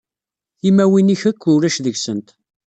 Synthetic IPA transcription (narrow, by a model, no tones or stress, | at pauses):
imːæwiniçækːʊɾæʃðəʝsənt̪